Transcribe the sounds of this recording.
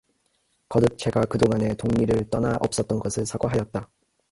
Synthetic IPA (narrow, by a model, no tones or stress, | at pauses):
kʌdɯk̚t͡ɕ͈e̞ɡakɯdoŋane̞toŋɲiɾɯɭt͈ʌnaʔʌ̰p̚s͈ʌt̚t͈ʌnɡʌsʰɯɭsʰaɡoɦajʌt̚t͈a